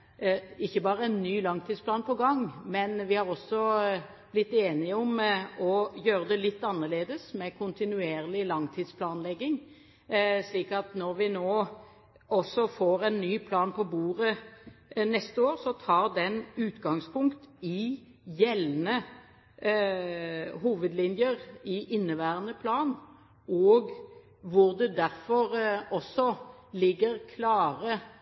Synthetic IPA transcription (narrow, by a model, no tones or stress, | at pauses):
ɪçːəbɑːʁəɛnːyːlɑŋt̪ʰɪːd̪splɑːnpʰɔɡɑŋmɛnʋɪhɑʁɔsːɔ | b̥lɪt̪ːeːnɪəɔmɔjøːɾəd̪ɛlɪt̪ːɑnːəʁleːd̪əsmɛkʰʊnt̪ɪnʉeːʁlɪlɑŋt̪ʰiːd̪spʰlɑːnlɛɡːɪŋ | ʂliːkɑt̪nɔɾʋɪnoː | ɔsːɔfoːɾɛnːyːpʰlɑːnpʰɔbuːʁə | nɛst̪əoːʁsɔt̪ʰɑːʁd̪ɛnʉːt̪ɡɑŋspʰʊŋkt̪ɪ | jɛlnə | ɦuːʋəd̪lɪnjəʁɪʔɪnːəʋæːʁənəpʰlɑːn | ɔːɡ | ʋʊʁd̪ɛd̪æɾfɔʁɔsːɔlɪɡːəɾkʰlɑːʁə